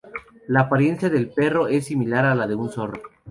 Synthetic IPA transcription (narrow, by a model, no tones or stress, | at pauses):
laːpaɾje̞nsjaðelpe̞ro̞e̞sːimilaɾalaðe̞unso̞ro